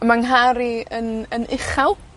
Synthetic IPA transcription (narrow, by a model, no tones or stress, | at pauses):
maŋɦaɾiənənʔɪχawˠ